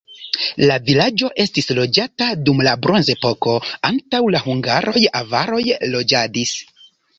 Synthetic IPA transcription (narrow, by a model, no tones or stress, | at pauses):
lavilad͡ʒo̞ʔe̞stislo̞d͡ʒatadumlabɾo̞nze̞po̞ko̞antawlahuŋɡaɾʔo̞javaɾo̞jlo̞d͡ʒadis